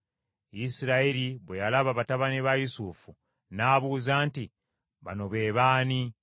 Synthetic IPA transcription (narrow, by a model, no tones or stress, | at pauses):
isiɾaiɾiβwejalaβaβataβaneβajusufu | naːβuːzaːnti | βano̞βe̞ːβaːni